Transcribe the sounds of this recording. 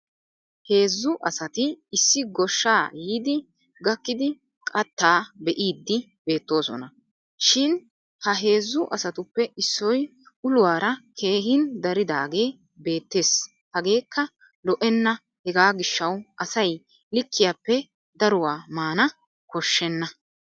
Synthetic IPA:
he̞ːzːʊʔɐsɐt̪ɪːsːɪɡɔʃːaːjiːd̪ɪ | ɡɐkːɪd̪ɪ | kʼɐt̪ːaːbɛʔiːd̪ːɪ | be̞ːt̪ːo̞ːsɔ̰nɐ | ʃɪn | hɐɦe̞ːzːʊʔɐsɐt̪ʊpːɛʔɪsːɔj | ʊlʊwaːɾɐkʰe̞ːɦɪnd̪ɐɾɪd̪aːɡe̞ː | be̞ːt̪ːe̞ːs | hɐɡe̞ːkːɐ | lɔʔɛnːɐ | hɛɡaːɡɪʃːɐwʔɐsɐj | lɪkːɪjaːpːɛ | d̪ɐɾʊwaːmaːnɐ | kɔʃːɛnːɐ

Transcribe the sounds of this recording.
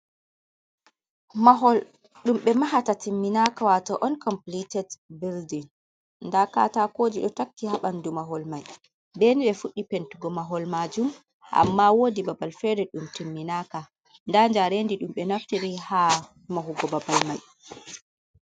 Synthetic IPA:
maɦɔl | ɗumɓɛmaɦatatimːinakawatɔʔɔnkɔmplitɛdbildin | ndaka̰takoːd͡ʒiɗɔtakːihaɓandumaɦɔlmaj | beniɓɛfuɗːipentuɡɔmaɦɔlmad͡ʒum | ʔa̰mːawodibabalfɛdɛɗumtimːinaka | ndaɲd͡ʒaɾendiɗumɓɛnaftiɾiha | maɦuɡɔbabalmaj

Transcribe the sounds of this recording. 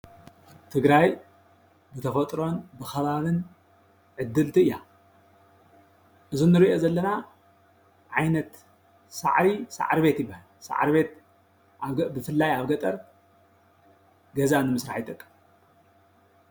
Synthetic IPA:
t̪ʰɨɡɾaj | bɨt̪ʰɐfɐt̪ʼɾo̞nbɨxɐβaβɨn | ʕɨd̪ːɨlt̪ʰɨɨjːa | ʔɨzunɨɾiʔo̞zɐlːɐna | ʕajnɐt̪ | sa̰ʕɾisa̰ʕɾbe̞t̪jɪbːahalsa̰ʕa̰ɾbe̞t̪ | bɨfɨlːajaβɡɐt̪ʼɐɾ | ɡɐzanɨmɨsɾaħjt̪ʼɐkʼːɨm

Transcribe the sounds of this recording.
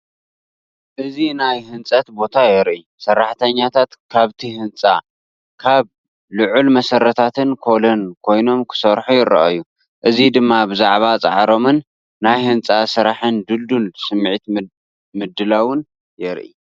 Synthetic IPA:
ʔɨzinajhɨnt͡sʼɐt̪bo̞t̪ʰajɛɾʔi | sɐrːaħt̪ʰɐɲːat̪ʰat̪kʰaβt̪ʰihɨnt͡sʼa̰ | kʰaβ | lʊʕulmɐsɐɾːɐt̪ʰat̪ʰɨnkʰo̞lonkʰojno̞mkʰɨ̥sɐɾħujɪɾɐ̰ʔɐ̰jːu | ʔɨzid̪ɨmːabɨzaʕβat͡sʼa̰ʕɾo̞mɨnː | ajhɨnt͡sʼasɨɾaħɨnd̪ɨld̪unsɨmːʕit̪ | mɨd̪ːɨlawʊn | jɛɾʔḭ

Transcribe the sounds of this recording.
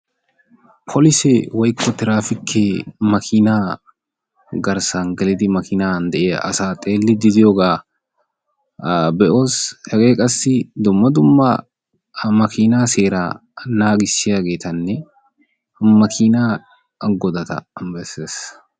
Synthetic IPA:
pʰɔlɪsɛwɐjkʰːɔt̪ɪɾaːfɪkʰːemɐkʰiːnaː | ɡɐɾsaːŋɡɐlɪd̪imɐkʰiːnaːnd̪ɐʔeːɐ̰saːt̪ʼeːlːɪd̪ɪd̪ɪɔɡaː | bɛʔoːshɛɡeːkʼɐsːɪd̪ʊmːɐd̪ʊmːa̰ | mɐkiːnaːseːɾaːnaːɡɪsɪɐɡeːt̪ɐnːɛ | mɐkʰiːnaː | ɡɔd̪ɐt̪ɐ̰ɐmbɐsɛs

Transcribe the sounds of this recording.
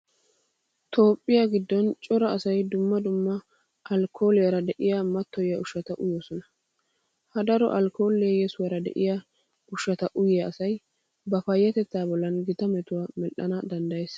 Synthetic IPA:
t̪ʰo̞ːpʼːɪjaɡɪd̪ːɔnt͡ʃʼɔɾɐːsɐjd̪ʊmːɐd̪ʊmːɐ | ɐlkʰo̞ːlɪjɐɾɐd̪ɛʔɪjamɐt̪ːɔjjɐʊʃːɐt̪ɐʔʊjoːsɔnɐ | hɐd̪ɐɾɔ̰ʔɐlko̞ːlːjɛsʊwaɾɐd̪ɛ̰ʔɪja | ʊʃːɐt̪ɐʔʊjjɐːsɐj | bɐfɐjːɐt̪ɛt͡sːaːbɔlːɐnɡɪt̪ɐmɛt̪ʊwaːmɛʔːɐnɐd̪ɐnd̪ɐjes

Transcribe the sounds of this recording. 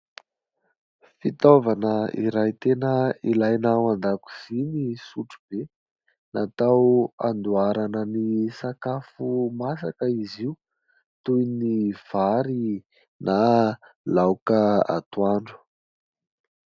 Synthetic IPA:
fit̪ovanəiɾajt̪enəilajnawand̪aku̥z̥inisuʈ͡ʂub̥e | nʔat̪awa̰nd̪uaɾanənisakafumasakəiziu | t̪ujniv̥aɾi | na | lawkəa̰t̪uaɳɖ͡ʐu̥

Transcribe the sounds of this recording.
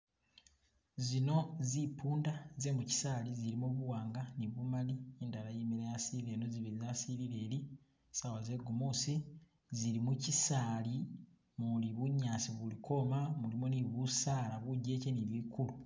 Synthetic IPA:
zino̞zipuːndaze̞muci̥saːliziɾimoβuwaːŋɡaniβumalieːndalajimiɾejasiile̞ːno̞ziβiizasiɾile̞ːli | sawaze̞ɡumusi | ziɾimucisaːli | muliβuɲːaːsiβulikʰo̞mamulimoniβusaːlaβuɟe̞ːceniβikulu

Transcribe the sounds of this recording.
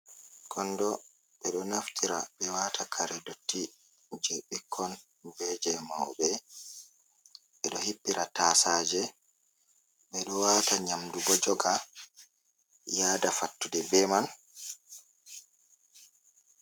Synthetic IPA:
kʰɔnːdɔ | ɓɛɗɔnaftʰiɾaɓɛwatʰakʰaɾɛdotʰːi | d͡ʒɛɓikʰːɔn | bɛd͡ʒɛmawɓɛ | ɓɛɗɔhipːiɾʔataːsaːd͡ʒɛ | ɓɛɗɔwataɲamdubɔd͡ʒɔɡa | jaːdafatːudɛbɛman

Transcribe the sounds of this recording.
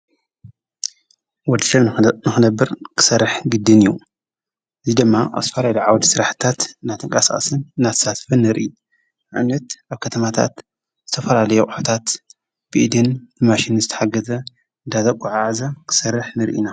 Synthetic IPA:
wɔd̪iʃɐnɨxɨnɐbːɨɾkʰɨ̥sɐrːɨħɡɨd̪ːɨniju | ʔɨzid̪ɨmːaʔa̰βzɨt̪ɐfɐlajluʕawɔt̪sɨɾaħt̪ʰat̪nːat̪ʰɨŋkʼasaʔʼɐ̰sɨnɨnːat̪ʰɐ̥sat̪fɨnːɨɾʔi | ʕaβnɐt̪ʔaβkʰɐt̪ʰɐmat̪ʰa̰t̪ | z̥ɨt̪ʰɐfɐlalɐjoqʼɨħu̥t̪ʰat̪ | b̥ɨʔd̪ɨnbɨmaʃinzɨt̪ʰɐ̥ħaɡɐzɐ | ɨnd̪at̪ɐkʼuʕaʕzakʰɨ̥sɐrːɨħnɨɾʔḭna

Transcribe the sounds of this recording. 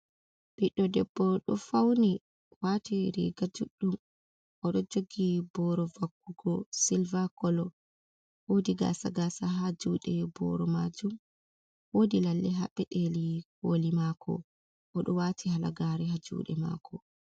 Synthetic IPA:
b̥iɗːɔdɛbːɔɗɔfawni | waːtiɾḭɡad͡ʒuɗːum | ʔɔɗɔd͡ʒoɡibɔɾɔvakːuɡɔsilvakɔlɔ | wodiɡa̰ːsaɡasaɦad͡ʒuːɗɛbɔ̰ɾɔmad͡ʒum | wodilalːɛɦaɓɛɗelikolimaːkʰɔ̰ | ʔɔɗɔwaːtʰihala̰ɡaɾɛɦad͡ʒṵːɗɛma̰ːkʰɔ

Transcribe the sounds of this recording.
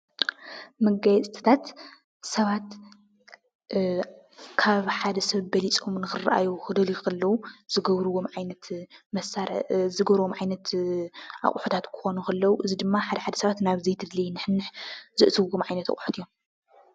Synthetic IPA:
mɨɡajɛt͡sʼt̪ʰɨ̥t̪ʰat̪ | sɐβat̪ | kʰaβħad̪ɐsɐβbɐlit͡sʼomnɨxɨraʔa̰juxɨd̪ɐlikɐlːɐwuz̥ɨɡɐβɾuwomʕajnɐt̪mɐsaɾzɨɡɐβɾwomʕajnɐt̪ | ʔa̰χʼħut̪ʰat̪kʰɨ̥xo̞nukɐlːɐwuʔɨzid̪ɨmːaħad̪ɐħad̪ɐ̥sɐβat̪naβzejt̪ʰɨd̪lijnɨħɨnːɨħzɨʔsʰɨwːomʕajnɐt̪a̰χʼħu̥t̪ʰijo̞m

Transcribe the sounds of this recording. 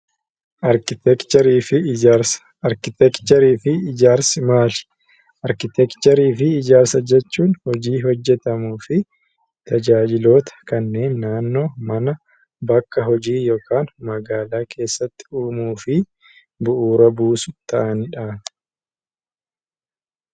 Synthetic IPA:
ʔɐɾkɪt̪ɛkt͡ʃɛɾiːfɪɾs | ɐɾkɪt̪ɛkt͡ʃɛɾiːfɪːd͡ʒaːɾsɪmaːlɪ̥ | ʔɐɾkɪt̪ɛkt͡ʃɛɾiːfɪːd͡ʒaːɾsɐd͡ʒɛt͡ʃːuːnhɔd͡ʒiːɦɔd͡ʒːɛt̪ɐmuːfɪ | t̪ɐd͡ʒaːd͡ʒɪlo̞ːt̪ɐ̥kɐnːe̞ːnːaːnːo̞ːmɐnɐ | bɐkːɐɦɔd͡ʒiːjo̞ːkʰaːnmɐɡaːlaːkʰe̞ːsːɐt̪ːɪ̥uːmuːfɪ | bʊʔuːɾɐbuːsʊt̪ɐʔɐnᶑaː

